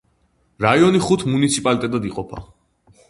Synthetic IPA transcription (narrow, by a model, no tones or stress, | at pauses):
ɾaiɔniχut̪ʰmunit̪sʰipʼalit̪ʼɛt̪ʼad̪iqʼɔpʰa̰